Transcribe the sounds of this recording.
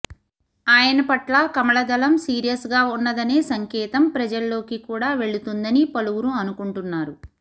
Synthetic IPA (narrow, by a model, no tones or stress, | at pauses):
aːjɐnɐpɐʈlɐkɐmɐɭɐd̪ɐlɐmsiːɾijɐsɡaːunːɐd̪ɐne̞ːsɐŋkɛːt̪ɐmpɾɐd͡ʒɐlːo̞ːkikuːɽaːʋe̞ɭut̪und̪ɐnipɐluwuɾuɐnukuɳʈunːaːɾu